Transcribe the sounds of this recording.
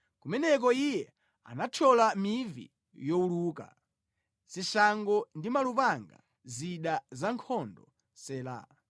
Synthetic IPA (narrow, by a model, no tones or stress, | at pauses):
kumɛnɛk̬ɔijɛ | a̰nat͡ʃʰɔlamivḭ | jɔuluːka̰ | siʃaŋɡɔndimalupaŋɡa̰ | ziɗazaŋkʰɔndɔ | sɛːla̰